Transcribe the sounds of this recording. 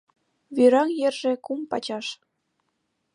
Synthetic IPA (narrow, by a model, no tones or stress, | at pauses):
βyɾɑŋjerʒĕkumpɑ̰t͡ɕɑʃ